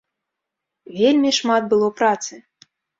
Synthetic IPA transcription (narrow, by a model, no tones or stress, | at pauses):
vʲelʲmʲiʂmat̪̚bɨlˠɔwpɾat̪sɨ